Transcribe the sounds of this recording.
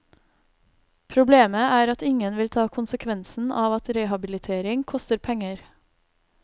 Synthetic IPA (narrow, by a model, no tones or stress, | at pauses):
pʰɾʊbleːməæːɾɑt̪ɪŋənʋɪlt̪ʰɑːkʰʊnsəkʰʋɛnsn̩ʔɑːʋɑt̪ɾeːhɑbɪlɪt̪ʰeːɾɪŋkʰɔst̪əɾpʰɛŋəɾ